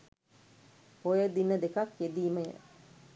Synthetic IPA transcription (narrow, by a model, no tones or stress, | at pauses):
pojəd̪inːəd̪ekɐkjed̪iːməjə̰